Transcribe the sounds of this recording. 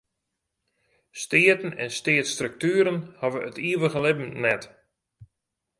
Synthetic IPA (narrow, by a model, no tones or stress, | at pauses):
stɪətən̩ɛnstɪətstrək̚tyəɾənhaʋəʔətiəʋəɣəlɪbm̩nɛt